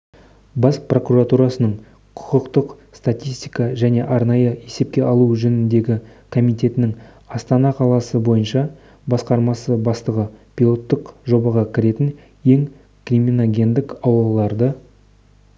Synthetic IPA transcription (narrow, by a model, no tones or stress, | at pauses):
bɑspro̞kuɾat̪uɾɑsənəɴ | qʰʊ̥qəqt̪əq | st̪at̪ʲijst̪ijkɑʒæne̞ʔɑɾnɑjəe̞se̞p̚kʲe̞ʔɑlˠuʒɵnɪnd̪e̞ɡʲɪ | kʰo̞mijt̪e̞t̪ɪnɪŋ | ɑst̪ɑnɑqʰɑlˠɑsəbo̞jənʃɑ | bɑsqɑɾmɑsəbɑst̪əʁəpʲilˠo̞t̪ːəqʒo̞bɑʁɑkʲʰɪɾe̞t̪ɪn | je̞ŋ | kriminaɡʲe̞nd̪ɪkɑwlɑlˠːɑɾd̪ə